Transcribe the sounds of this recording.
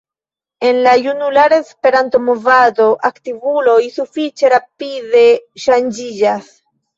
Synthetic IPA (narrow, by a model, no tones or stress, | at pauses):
e̞nlajunulaɾaespe̞ɾanto̞movado̞ʔaktivulo̞jsufit͡ʃe̞ɾapide̞ʃand͡ʒid͡ʒas